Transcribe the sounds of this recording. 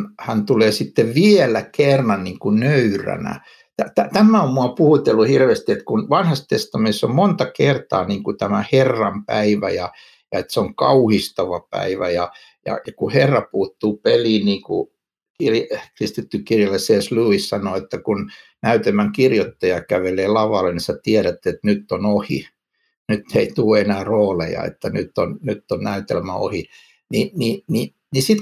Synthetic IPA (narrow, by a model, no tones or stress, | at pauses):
hænt̪uleːsit̪ːeʋʋielækerːɑnniːŋkunøyræ̰næ̰ | t̪æt̪æt̪æmæommuɑpuhut̪elːuhirʋest̪iet̪kunʋɑnhɑst̪est̪ɑmiesːommont̪ɑkert̪ɑ̰ːniːŋkut̪æmæherːɑmpæiʋæ̰jɑ | jɑet̪seoŋkɑuhist̪ɑʋɑpæ̰iʋæjɑ | jɑ̰jɑkuherːɑpuːt̪ːuːpeliːniːŋkṵ | kirjkrist̪it̪ːykirjɑlːeseːsluːissɑnoet̪ːækun | næyt̪emæŋkirjot̪ːɑjɑkæʋeleːlɑʋɑlːeniset̪iæɾæt̪ːet̪nyt̪ːonohḭ | nyt̪ːeit̪uːenæːroːlḛjɑ̰ḛt̪ːænyt̪ːonnyt̪ːonnæyt̪elmæo̰hi | ninini | nisit̪